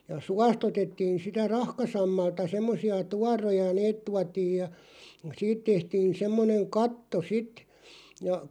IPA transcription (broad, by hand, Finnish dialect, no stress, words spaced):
jɑ suɑst otetːiːn sitæ rɑhkɑsɑmːɑltɑ semːosiɑ tuɑrojɑ neːt tuɑtiːj jɑ siːt tehtiːn semːoneŋ kɑtːo sit jɑ